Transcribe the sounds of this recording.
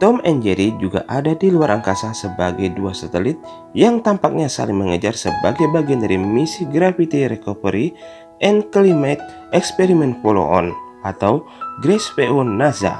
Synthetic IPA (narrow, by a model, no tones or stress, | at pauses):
t̪ɔmɛnd͡ʒɛɾid͡ʒuɡa̰ʔadadiluaɾʔaŋkasansəbaɡajduasat̪əlɪt̪̚ | jaŋt̪ampak̚ɲasa̰lɪŋməŋəd͡ʒarsəbaɡajbaɡiandaɾimisiɡɾafit̪iɾɛkopəɾi | ʔɛnkəlimat̪̚ | ɛkspɛɾimɛnfolo̰ʔɔ̰n | at̪aw | ɡɾɛspeunːaza̰